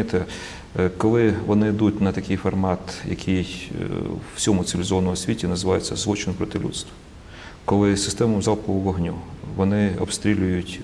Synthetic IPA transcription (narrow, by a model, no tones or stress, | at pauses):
t̪ɛ | kɔlˠɪʋɔnɪd̪utʲnɐt̪ɐkɪjfɔrmɑt̪jɐ̰kʰij | sʲɔmʊt̪sɪʋʲɪlʲɪzɔʋɐnɔmʊsʲʋʲitʲinɐzɪʋɑjet͡sʲːɐzlˠɔt͡ʃenpɾɔt̪ɪlʲṵt̪st̪ɐ | kɔlˠɪsɪ̥st̪ɛmɐzɑlˠkɔʋɔʋɔɦnʲuʋɔnɪɔ̰pst̪ɾʲilʲʊjʊtʲ